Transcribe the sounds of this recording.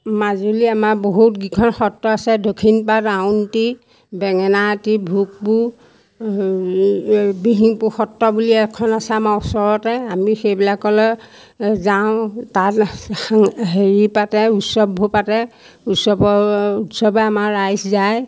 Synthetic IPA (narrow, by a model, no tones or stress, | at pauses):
mazuliamaɹboɦutɡikʰɔnxɔtːɔasɛdokʰinpatawnti | bɛŋɛnatibʱuk̚bu | biɦiŋpuxɔtːɔbuliɛkʰːɔnasɛamaɹɔsɔɹɔtɛamixejbilakːɔlɛ | zaʊ̃tat | ɦeɹipatɛutsɔbbʱupatɛ | usɔbɔutsɔbɛamaɹajszaj